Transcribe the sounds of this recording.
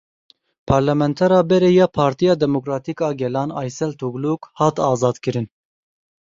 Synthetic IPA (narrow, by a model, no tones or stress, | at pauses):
pʰɑːɾlɛmɛnt̪ʰɛɾɑːbɛɾejɑːpʰɑːɾt̪ijɑːd̪ɛmokɾɑːt̪ikɑːɡɛlɑːnɑ̰ːjsɛlt̪ʰuɡlukhɑːt̪ɑːzɑːd̪kɨɾɨn